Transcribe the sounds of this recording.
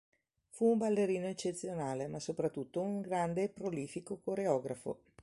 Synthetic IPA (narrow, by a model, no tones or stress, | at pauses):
fuːmbalːeɾiːnoet͡ʃːet̪sːjonaːlemasopɾat̪ːut̪ːouŋɡɾand̪epɾoliːfikokoɾeɔːɡɾafo̰